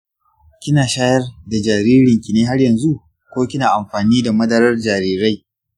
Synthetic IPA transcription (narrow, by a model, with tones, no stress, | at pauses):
kʲɪ˦naː˨ʃaː˦jɐ˦rda˨d͡ʒaː˨ɾiː˦ɾɪ˨ŋkʲi˨neː˦ɦa˦rjɐ˨nzu˦ | kʷoː˦kʲɪ˦naː˨ʔa˨mɸaː˨niː˦da˨mɐ˦dɐ˨ɾɐ˦rd͡ʒaː˨ɾiː˦ɾa˦j